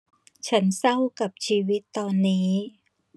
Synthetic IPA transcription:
t͡ɕʰa˦˥nsa˥˩wka˨˩p̚t͡ɕʰiː˧wi˦˥t̪ːɔː˧nːiː˦˥

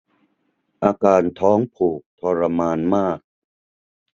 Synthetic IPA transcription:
ʔaː˧kaː˧nt̪ʰɔː˦˥ŋpʰuː˨˩k̚t̪ʰɔː˧ɾa˧maː˧nmaː˥˩k̚

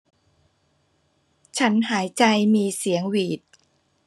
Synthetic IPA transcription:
t͡ɕʰa˦˥nɦaː˩˦jt͡ɕa˧jmiː˧si˩˦əŋwiː˨˩t̪̚

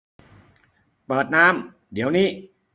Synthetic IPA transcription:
pɤː˨˩t̪̚naː˦˥m | d̪i˨˩˦əwniː˦˥˩

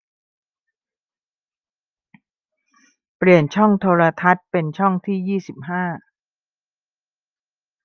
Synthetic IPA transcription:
pli˨˩ənt͡ɕʰɔ˥˩ŋt̪ʰoː˧ɾa˧t̪ʰa˦˥t̪̚pe˧nt͡ɕʰɔ˥˩ŋt̪ʰiː˥˩jiː˥˩si˨˩p̚ɦaː˥˩

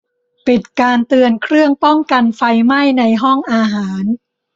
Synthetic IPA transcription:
pi˨˩t̪̚kaː˧nt̪ɯ˧ənkʰɾɯ˥˩əŋpɔ˥˩ŋka˧nfa˧jma˥˩jna˧jɦɔ˥˩ŋʔaː˧ɦaː˩˦n

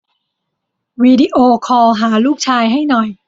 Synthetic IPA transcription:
wiː˧di˧ʔoː˧kʰɔː˧ɦaː˩˦luː˥˩k̚t͡ɕʰaː˧jɦa˥˩jnɔ˨˩j

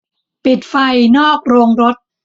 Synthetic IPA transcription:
pi˨˩t̪̚fa˧jnɔː˥˩k̚ɾoː˧ŋɾo˦˥t̪̚

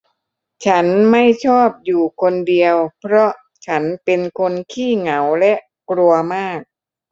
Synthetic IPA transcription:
t͡ɕʰa˦˥nma˥˩jt͡ɕʰɔː˥˩p̚juː˨˩kʰo˧ndi˧əwpʰɾɔ˦˥ʔ | t͡ɕʰa˦˥npe˧nkʰo˧nkʰiː˥˩ŋa˩˦wlɛ˦˥ʔ | kɾu˧ɐmaː˥˩k̚

